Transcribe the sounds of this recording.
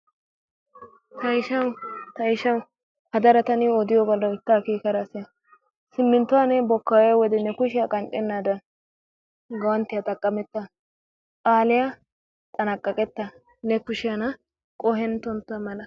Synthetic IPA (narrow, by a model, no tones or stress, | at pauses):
t̪ɐɪʃɐwt̪ɐɪʃɐw | hɐd̪ɐɾɐt̪ɐnɪɔd̪ɪjɔbɐlːɐɪt̪ːaːkiːkɐɾɐsɪjɐ | sɪmːɪnt̪ːʊwanɛbɔkːaːwɛwɔd̪ɛnɛkʊʃɪjɐkʼɐnt͡ʃʼɛnːad̪ɐ | ɡɐwɐnt̪ːɪjat̪ɐkʼːɐmɛt̪ːɐ | kʼaːlɪja | t͡sʼɐnɐkʼːɐkʼɛt̪ːɐ | nɛkʊʃɪjanɐ | kʼɔɦɛnt̪ɔnt̪ːʊɐmɐnɐ